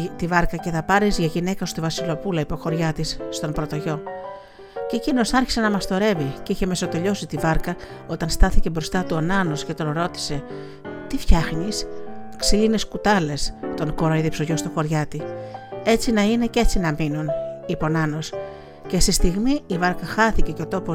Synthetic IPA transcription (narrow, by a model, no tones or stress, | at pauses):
t̪ivɐɾkɐce̞θɐpɐɾizʝɐʝine̞kɐost̪ovɐsilo̞pulɐipo̞xo̞ɾʝɐt̪isːt̪o̞mpɾo̞t̪o̞ʝo̞ | cecino̞sɐɾçi̥se̞nɐmɐst̪o̞ɾe̞viceiçe̞me̞sot̪e̞ʎo̞sit̪ivɐɾkɐ | o̞t̪ɐnst̪ɐθicebɾo̞st̪ɐt̪uonɐno̞sce̞t̪o̞nɾo̞t̪i̥se̞ | t̪ifçɐxnisksiline̞skut̪ɐle̞st̪o̞nko̞ɾoiðipsoʝo̞st̪oxo̞ɾʝɐt̪ie̞t͡sinɐine̞ce̞t͡sinɐminunipo̞nɐno̞s | ce̞st̪ist̪iɣmiːvɐɾkɐxɐθice̞ceo̞t̪o̞po